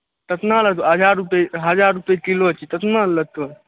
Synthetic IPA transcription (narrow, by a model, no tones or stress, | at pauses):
t̪ət̪nalət̪oɦəd͡ʒaɾːupeɦəd͡ʒaɾupekilot͡ʃit̪ət̪nalət̪o